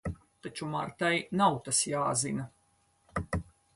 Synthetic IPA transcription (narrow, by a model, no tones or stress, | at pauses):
t̪at͡ʃumaɾt̪ajnawt̪asjaːzina